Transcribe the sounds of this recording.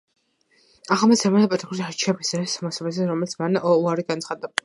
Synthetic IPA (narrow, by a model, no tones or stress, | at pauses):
aχlˠamasɛmanpʼat̪ʰʼikʰuɾiaɾt͡ʃʰɛbisɛsmɔsabɛzɛɾɔmɛlit̪sʰmanɔuaɾiɡant̪sχad̪a